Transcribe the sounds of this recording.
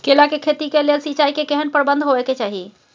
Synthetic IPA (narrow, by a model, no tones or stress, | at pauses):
kelakekʰet̪ikelelsit͡ʃajkekeɦənpəɾbə̃nd̪ʱɦoʋɛket͡ʃaɦḭ